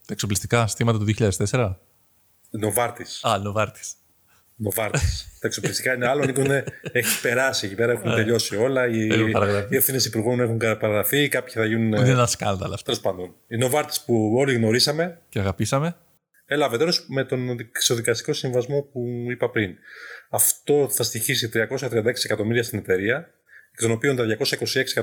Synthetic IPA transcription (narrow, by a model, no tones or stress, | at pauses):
t̪ɐeksoplist̪i̥kɐsθimɐt̪ɐt̪uðioçiʎaðst̪ese̞ɾɐ | no̞vɐɾt̪isɐnovɐɾt̪i̥s | no̞vɐɾt̪ist̪ɐekso̞plist̪ikɐineɐlonikuneeçipe̞ɾɐsiecipe̞ɾɐexunt̪e̞ʎo̞sio̞lɐiɐɾɐɣɾɐfie̞fθinesipuɾɣo̞nexuŋkɐpɐɾɐɣɾɐfikɐpçiθɐʝinunnenenɐskɐnd̪ɐlɐft̪elospɐnd̪oninovɐɾt̪i̥spuo̞liɣno̞ɾisɐme̞ceɐɣɐpisɐme | e̞lɐvee̞ɾo̞sme̞t̪o̞nkso̞ðikɐst̪i̥ko̞siɱivɐzmo̞puipɐpɾinɐft̪o̞θɐst̪içisit̪ɾiɐko̞sɐt̪ɾiɐnd̪ɐeksiekɐt̪o̞miɾiɐst̪ine̞t̪e̞ɾiɐ | kt̪o̞no̞piont̪ɐðʝɐko̞sɐiko̞sie̞ksi